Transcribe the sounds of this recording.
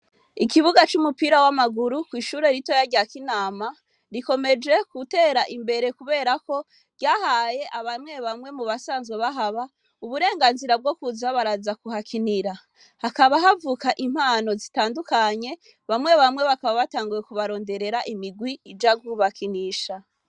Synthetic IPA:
ikiβuɡat͡ʃumupiɾawamaɡuɾukwiːʃuːɾe̞ɾito̞jaɾɟakinaːma | ɾiko̞me̞d͡ʒe̞kute̞ːɾaʔimbe̞ɾe̞kuβe̞ːɾako̞ | ɾɟaːhaje̞ʔaβamŋe̞βamŋe̞muβasaːnzɡweβaɦaβa | uβuɾe̞ːŋɡaːnziɾab̚ɡo̞kuzaβaɾazakuhakʰiniɾa | hakaβaɦavukaʔim̥haːno̞zitaːndukaɲe̞ | βamwe̞βamŋe̞βakaβaβataːŋɡuje̞kuβaɾo̞ːnde̞ɾe̞ɾaʔimiɡwiid͡ʒaɡuːβakiniːʃa

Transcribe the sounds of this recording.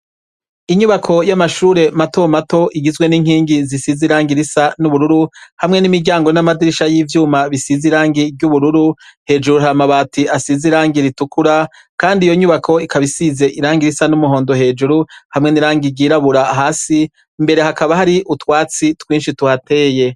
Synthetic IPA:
iɲuβakʰo̞jamaʃuːɾe̞mato̞mato̞ʔiɡizɡwe̞niːŋ̥hiːŋɡizisiziɾaːŋɡiɾisanuβuɾuɾuhamŋe̞nimiɾɟaːŋɡonamadiɾiʃajiːvjuːmaβisiziɾaːŋɡibɟuβuɾuɾuhe̞ːd͡ʒuɾuɦamaβaːtʰiasiziɾaːŋɡiɾitukuɾa | kaːndijo̞ɲuβakʰo̞ikʰaβisize̞ʔiɾaːŋɡiɾisanumuɦo̞ːndo̞ɦe̞ːd͡ʒuɾuhamŋe̞niɾaːŋɡiɟiːɾaβuɾaɦaːsi | mbe̞ɾe̞hakaβahaɾiʔutwaːt͡sitwiːnʃituhate̞ːje̞

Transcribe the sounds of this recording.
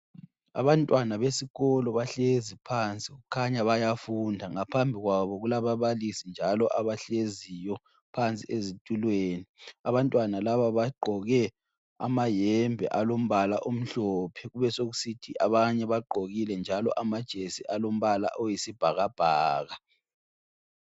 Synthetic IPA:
a̰βantʼwanaβesiɣɔlɔβaɬezipʰant͡sʼiuukʰaɲaβajafundʱaŋapʰambʱiɣwaβɔɣulaβaβalisind͡ʒʱalɔʔaβaɬezijɔ | pʰant͡sʼiezitʼulweːniaβantʼwanalaβaβaɡ͡ǃʱɔɣɛ | a̰majɛmbʱɛ̰ʔalom̩βala̰ʔom̩ɬɔpʰɛɣuβɛsoɣusitʰiʔaβaɲɛβaɡ͡ǃʱoɣilɛnd͡ʒʱalɔ̰ʔamad̥ʒ̥ʱesiʔalom̩βala̰ʔojisib̥ʱaɣab̥ʱaːɣa

